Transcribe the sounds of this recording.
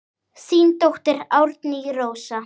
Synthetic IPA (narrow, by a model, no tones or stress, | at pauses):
siːnt̪owht̪ɪɾawɾt̪niɣɾowsa